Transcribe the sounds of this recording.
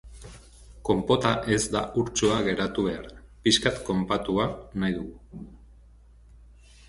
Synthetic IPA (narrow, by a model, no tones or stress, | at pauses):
ko̞mpo̞t̪aʔe̞zd̪a̰uɾt͡ʃuaɣe̞ɾat̪uβ̞e̞aɾpiskat̪ko̞mpat̪uanajðuɣu